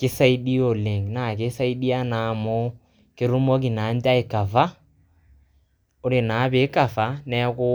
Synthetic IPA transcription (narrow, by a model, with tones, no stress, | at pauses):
kɪ˦sa˦i˦ɗi˦o˨le˨ŋ˨na˨ke˨˦sa˦i˦ɗi˦a˦na˨˦mɔ˦ | kɪ˦ɾu˦mɔ˦k̬i˨na˨˦nda˦e˨ka˨fa˦ | o˦ɾe˨na˨˦be˨˦ka˨fa˨˦nɛ˦ko˦